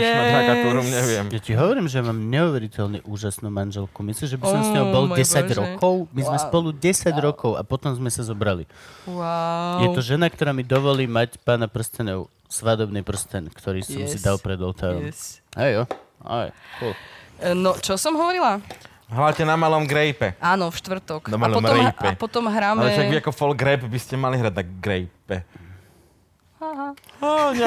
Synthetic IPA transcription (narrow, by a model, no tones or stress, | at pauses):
aaɔɾumɲɛʋɪɛmjatiɦɔʋɔɾiːmʒɛmaːmɲɛuʋɛɾicɛlɲɛʔuːʒasnuːmanʒɛlkumislimʒɛbisɔmzɲɲɔɦɔbɔlɟɛsaɟɾɔkʰɔʊmizmɛspɔluɟɛsaɟɾɔkɔʊʔa̰pɔt̪ɔmzmɛsazɔbɾaliajɛt̪ɔʒɛnak̚t̪ɔɾaːmid̪ɔʋɔliːmacpaːnapr̩st̪ɛnɔʊ | sʋad̪ɔbnipr̩st̪ɛnkt̪ɔɾiːsɔmsid̪alpɾɛd̪ɔlt̪aːɾɔ̰mɦɛjɔa̰jkulnɔt͡ʃɔsɔmɦɔʋɔɾila | ɦɾacɛnamalɔmɡɾɛjpɛʔaːnɔfʃt̪ʋr̩t̪ɔknaapɔɔɾɛpɛpɔt̪ɔmɦɾaːmalɛɛt͡ʃaʋiakɔfɔlɡɾɛjpbiscɛmaliɦɾaɟnaɡɾɛjpɛ | haɦaa